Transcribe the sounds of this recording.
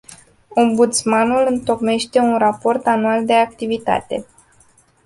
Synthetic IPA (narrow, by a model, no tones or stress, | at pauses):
o̞mbut̪smanulɨnt̪o̞kme̞ʃt̪e̞unrapo̞rt̪anuald̪e̞ak̚t̪ivit̪a̰t̪e̞